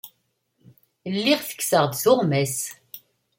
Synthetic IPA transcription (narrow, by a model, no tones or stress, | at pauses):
lːiʁθə̥kːsəʁd̪zʊʁmæs